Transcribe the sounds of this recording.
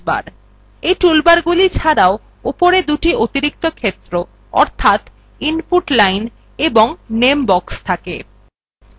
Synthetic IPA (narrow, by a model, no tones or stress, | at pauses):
ba̰ɾ | ejʈulbaɾɡulit͡ɕʰaɾao | upoɾed̪uʈiʔot̪iɾik̚t̪okʰet̪ːɾo | ɔ̰ɾt̪ʰat̪ | inpuʈlajn | eboŋnembɔkst̪ʰake